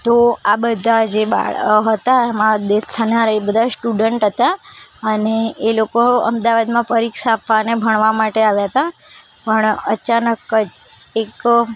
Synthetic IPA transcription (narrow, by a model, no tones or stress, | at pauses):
t̪oabəd̪ʱad͡ʒeba̰ɭɦət̪aɛmãd̪et̪ʰːənaɾaebəd̪ʱasʈuɖəɳʈɦət̪aəneːlokoə̰md̪aʋad̪mãfəɾikʃaːpʰʋanebʱəɳ̃ʋamaʈeaʋjaɦət̪a | pəɳət͡ʃanəkːəd͡ʒ | ek